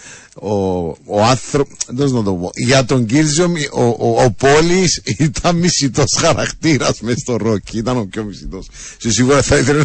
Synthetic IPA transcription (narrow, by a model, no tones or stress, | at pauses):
oːɐnθɾoend̪oznɐt̪oupo̰ʝɐt̪oɲɟiɾziomoːpolisit̪ʰɐmmisit̪osxɐɾɐkt̪iɾɐsmest̪oɾocʰːiit̪ɐnopçomisit̪ossesiɣuɾɐθɐiθele